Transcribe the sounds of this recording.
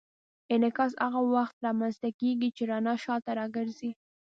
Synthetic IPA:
ɪnɪkɑs̬aɣawaxt̪ɾɑmanst̪akeɡit͡ʃeɾɑnɑʃɑt̪aɾɑɡəɾzi

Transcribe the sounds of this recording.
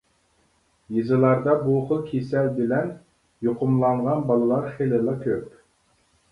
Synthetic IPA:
jizɨlˠɑɾd̪ɑbuqəkʲʰesɛlbɪlɛn | joqʰʊmlˠɑɴʁɑnbɑlˠɨlˠɑɾχelɪlˠɑkʲʰøp̚

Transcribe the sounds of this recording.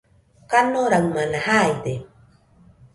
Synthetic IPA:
kanoɾawmanahaet̪e

